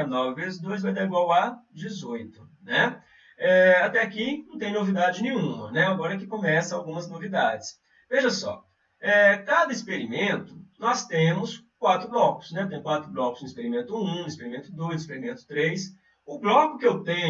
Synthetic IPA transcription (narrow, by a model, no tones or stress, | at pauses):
ɾnɔvɪvezd̪ojzvajd̪aɾiɡwawad͡ʒɪzojt̪ʊ̥nɛ | ɛat̪ɛakinɐ̃t̪ẽj̃novid̪ad͡ʒɪnẽɲũmɐ̰nɛaɡɔɾɐkɪkõmɛsɐ̃awɡũmɐznovid̪ad͡ʒɪs | veʒɐsɔ̰ | ɛkad̪ɐispeɾimẽnt̪ʊ̥nɔst̪ẽmʊskwat̪ɾʊblɔkʊ̥snɛt̪ẽj̃kwat̪ɾʊblɔkʊzũispeɾimẽnt̪ʊũispeɾimẽt̪ʊd̪ojzispeɾimẽnt̪ʊ̥t̪ɾejs | ʊblɔkʊkɪewt̪ẽɲ